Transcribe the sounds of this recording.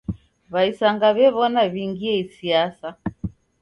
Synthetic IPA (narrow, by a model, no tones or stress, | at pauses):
βaisaŋɡaβɛβɔnaβiŋɡiɛisiasa